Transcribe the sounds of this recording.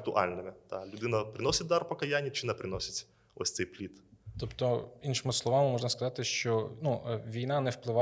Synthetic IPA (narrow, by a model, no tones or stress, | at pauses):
t̪ʊʔa̰lʲnɨmʲɪd̪̥alʲʊd̪ɪnɐpɾʲɪnosʲɪt̪̚d̪arpɐkɐjanʲːit͡ʃɪnɐpɾʲɪnosʲɪt̪ʲ | osʲt̪sɛjplʲit̪t̪ɔpt̪ɔinʃɪmɪslˠɔʋamɪmɔʐnɐskɐzɑt̪ɪʃt͡ʃɔnuʋʲijnɑnɛwplˠɪʋɑ